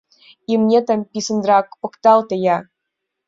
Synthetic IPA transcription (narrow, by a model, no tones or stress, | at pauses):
imnʲet̪ə̆mpʲisə̆nd̪ɾɑkpɤ̆kt̪ɑlˠt̪ə̆jɑ